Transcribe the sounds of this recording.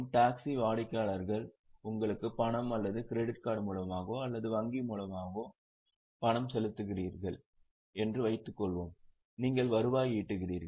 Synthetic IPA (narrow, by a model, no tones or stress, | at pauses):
mʈaːksiʋaːɽɪkːaːɭɐɾɣɐɭ | ʊŋɡɐɭɯkːɯpɐɳɐmɐlːɐðɯkɪɾɛɽɪʈ̚kaːɽmuːlɐmaːɣoːɐlːɐðɯʋɐŋɡimuːlɐmaːɣoː | pɐɳɐmsɛlɯt̪ːɯɣɪriːɾɣɐɭ | ɛndrɯʋɐɪt̪ːɯkːɔɭʋoːm | niːŋɡɐɭʋɐɾɯʋaːjiːʈːɯɣɪriːɾɣɐ